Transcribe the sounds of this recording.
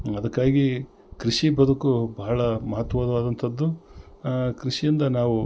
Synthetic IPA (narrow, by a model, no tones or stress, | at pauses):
ɐd̪ɐkːaːɡi | kɾiʂibɐd̪ukubɐɦɐɭɐmɐɦɐt̪ːɐʋaːd̪ɐʋaːd̪ɐnt̪ʰɐd̪ːu | kɾiʂijind̪ɐnaːʋu